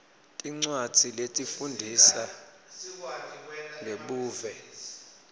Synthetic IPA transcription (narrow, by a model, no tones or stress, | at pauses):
tʼiŋ͡ǀwḁt͡siletʼifundʱisa | ŋɡʱeɓuːvɛ